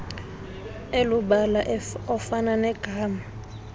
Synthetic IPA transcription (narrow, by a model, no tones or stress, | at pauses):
eluɓalaʔɔfananɛɡ̥ʱaːma